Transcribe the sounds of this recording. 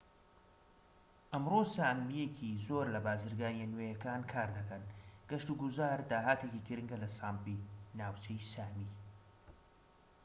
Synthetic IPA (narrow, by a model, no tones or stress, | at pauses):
ʔɐmrosaːmijecʰizoɾlɐbaːzɨɾɡaːnjenwejɐkaːnkʰaːɾd̪ɐkɐnɡ̥ɐʃt̪uɡuzaːɾd̪aːɦaːt̪ecikɨɾɨŋɡɐlɐsaːmpinaːwt͡ʃʰejsaːmi